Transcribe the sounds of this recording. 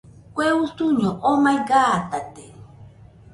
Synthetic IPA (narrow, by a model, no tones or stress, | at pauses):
kʷeusuɲoʔomajɡaːt̪at̪e̥